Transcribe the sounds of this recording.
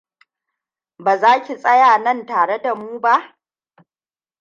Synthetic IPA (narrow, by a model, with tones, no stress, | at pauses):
baː˨zaː˦kʲi˨sʼɐ˦jaː˨nɐ˦˨ntaː˨ɽe˦da˨muː˦ba˦ʔ